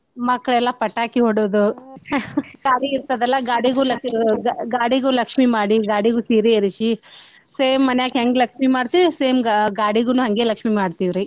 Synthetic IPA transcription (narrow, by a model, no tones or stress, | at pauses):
mɐkːɐɭɛlːɐpɐʈːaːkiɦoɽoːd̪u | ɡaːɽiiɾt̪ɐd̪ɛlːɐɡaːɽiɡulɐkɡaːɽiɡulɐkʂmimaːɽiɡaːɽiɡuːsiːɾeiɾit͡ʃiseːmːɐnɛjaːkɦɐŋɡlɐkʂmimaːɽt̪iʋiseːmɡaːɽiɡunuːɦɐŋɡeːlɐkʂmimaːɽt̪iʋɾi